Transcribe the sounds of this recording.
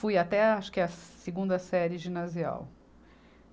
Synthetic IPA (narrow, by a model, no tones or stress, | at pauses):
fujat̪ɛaʃʊ̥kɪɐseɡũnd̪ɐsɛɾɪʒĩnazia̰w